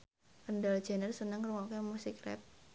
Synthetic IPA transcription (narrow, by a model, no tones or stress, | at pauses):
kəndal̥d͡ʒanərsənəŋruŋokemusikrɛ̰p̚